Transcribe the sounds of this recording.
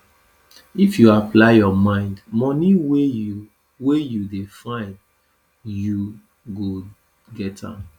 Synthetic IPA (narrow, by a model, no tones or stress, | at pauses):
ifjuaplaɪjɔmãɪ̃ndmɔniwe | wejudefãɪ̃nd | ju | ɡo | ɡɛtã̰m